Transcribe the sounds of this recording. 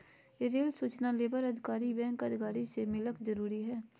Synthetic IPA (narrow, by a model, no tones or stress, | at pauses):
eɾeːlsuːt͡ʃnaleːbəɾəd̪ʱɪkaːɾibɛ̃ːŋkəd̪ʱɪkaːɾisemɪləkd͡ʒəɾuːɾiɦɛː